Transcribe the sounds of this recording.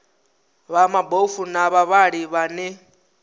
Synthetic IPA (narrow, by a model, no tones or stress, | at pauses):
βamabofunaβaβaɺiβanɛ